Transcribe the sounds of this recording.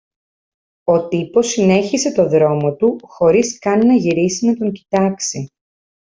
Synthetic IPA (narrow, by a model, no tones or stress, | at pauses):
o̞t̪ipo̞sine̞çise̞t̪o̞ðɾo̞mo̞t̪uxo̞ɾiskɐninɐʝiɾisimet̪o̞ɲcit̪ɐksi